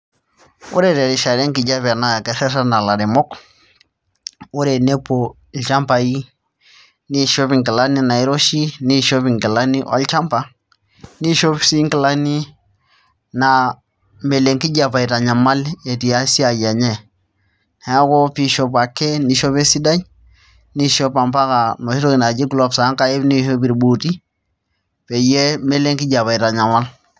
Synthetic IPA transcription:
ṵ˦ɾɛ˨ɾɛ˨ɾi˨ʃa˨ɾɛ˦ŋki˨d͡ʒa˦βɛ˨na˦ja˨kɛ˨sɛ˦sa˦na˨la˨ɾi˨mɔ˦k | u˦ɾɛ˨nɛ˦po˨ | lt͡ʃa˦mpa˨i˦ | ni˦ʃɔ˦bi˨ŋki˨la˦ni˦na˨i˦ɾɔ˦ʃi˦ni˦ʃɔ˦pi˨ŋki˨la˦ni˦ʔɔ̰˦lt͡ʃa˦mpa˨ | ni˦ʃɔ˦bsi˦ŋki˨la˦ni˦ | na˨ | me˨le˨ŋki˦ɟa˨pa˨i˨ta˨ɲa˨ma˦le˨ti˨ja˦si˦a˨ja˨ɲe˦˨ | hɛ˦ko˦pi˦ʃo˦pa˨kːe˦ni˨ʃo˦pe˦si˦da˦ɲ | ni˦ʃo˦pa˨mpa˦ka˨mo˨ʃi˦ɾo˦ki˨na˨d͡ʒi˦ɡlo˦bsa˨˦ŋka˦je˦bni˦ʃo˦bi˨ɾbo˨ti˦ | pe˨je˦me˦le˦ŋki˦ɟa˨pa˨i˨ta˨ɲa˨ma˦l

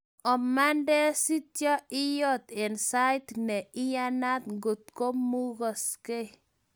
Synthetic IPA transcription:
ɔ˨ma˦ndɛ˦si˦tjɔ˦i˦jɔ˦t̪e˨nsa˦jt̪nɛ˨i˦ja˦na˦t̪ŋɡo˨t̪̚ko˦mu˦ɣɔ˨ske˦

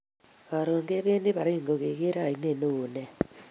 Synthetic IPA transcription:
βa˨ɾoː˨ŋɡe˦βeː˦nde˦βa˨ɾeː˦ŋɡo˨ɣe˨ɣe˦ɾa˦˨i˨ne˦˨noː˨nɛ˦

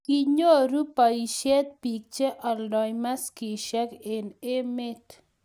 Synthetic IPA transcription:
kiɲo˦ɾu˦pa˨iʃɛ˦t̪̚pi˨k̚t͡ʃe˦ʔa˨ldɔjma˦ski˨ʃɛ˦kene˦me˦t̪

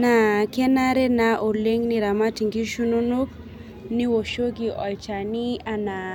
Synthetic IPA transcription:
na˨kɛ˦na˦ɾɛ˦naʔo˨le˦ŋni˨ɾa˨ma˦ti˨ŋɡi˦ʃu˦nu˦nu˦k | ni˦wo˨ʃo˦ɡiʔɔ˨jt͡ʃa˨ni˦a˦na˨

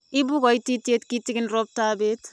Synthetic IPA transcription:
i˦bu˦kɔ˨iti˦te˦tki˦ti˦kɪ˦nrɔ˦b̚ta˦be˦t

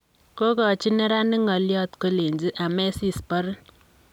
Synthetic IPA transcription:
ko˦kɔ˨t͡ʃi˦ne˦ɾa˦nɪ˦ŋɔ˨ljɔ˦t̪ko˦le˨ɲd͡ʒi˦ʔa˨mɛ˦si˦spɔ˦ɾ

